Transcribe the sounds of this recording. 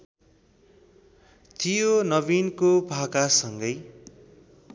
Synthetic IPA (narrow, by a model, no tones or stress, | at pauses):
t̪ʰijonʌbinkobʱakasʌŋɡʌj